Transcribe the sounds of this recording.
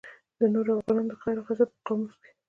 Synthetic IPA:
d̪ənoɾoafɣɑnɑnod̪əxajɾoxazat̪̚pəqɑmuske̥

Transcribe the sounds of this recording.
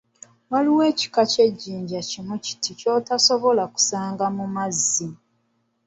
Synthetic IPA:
waliwe̞ːci̥kace̞ɟːiːɲɟacinuci̥tico̞ːtaso̞βo̞laku̥saːŋɡamumazːi

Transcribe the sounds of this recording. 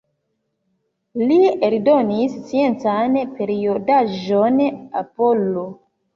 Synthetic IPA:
lieldonisːije̞nt͡sanpe̞ɾiodaʒona̰po̞lo

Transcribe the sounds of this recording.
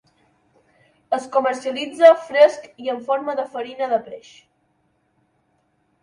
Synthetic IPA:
əskuməɾsiəlid͡zəfɾeskiəɱfoɾməðəfəɾinəðəpɾeʃ

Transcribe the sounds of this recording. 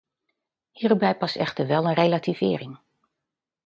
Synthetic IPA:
hiːrubɛjpɑstɛχtəɹʋɛlˠənrejlativ̥ɪːɾɪŋ

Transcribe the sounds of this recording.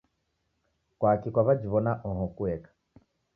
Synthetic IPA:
kwakikwaβad͡ʒiβɔnaʔɔɦɔkuɛkḁ

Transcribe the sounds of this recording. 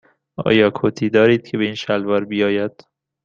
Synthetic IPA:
ʔɒ̰ːjɒːkʰot̪ʰiːd̪ɒːɾiːd̪̥̚cʰe̞beiːnʃælvɒːɾbijɒːjæd̪̥

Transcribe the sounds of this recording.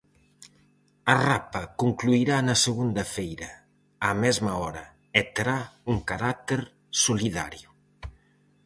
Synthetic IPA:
ɐrapɐkuŋkluiɾanɐseɣund̪ɐfejɾɐ | amɛzmɐɔɾɐ | et̪eɾauŋkaɾat̪eɾ | soliða̰ɾjʊ

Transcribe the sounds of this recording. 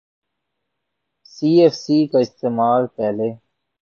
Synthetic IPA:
siːeːfsiːkaɪst̪eːmaːlpɛːleː

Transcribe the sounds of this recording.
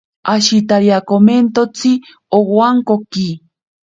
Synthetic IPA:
aʃit̪aɾjakoment̪ot͡si | owaŋkoki

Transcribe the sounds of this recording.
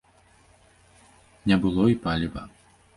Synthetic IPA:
nʲɛbɨlˠɔipalʲibɐ

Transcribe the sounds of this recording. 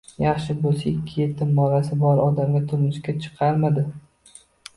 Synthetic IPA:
jɑχʃɪbolˠsaɪkʲʰːɪje̞t̪ʰːɪmːɒɾasɪbɒɾɒd̪amɡʲat̪ʰʊɾmɪʃkʲat͡ʃʰɨ̥qʰɑɾmad̪ɪ

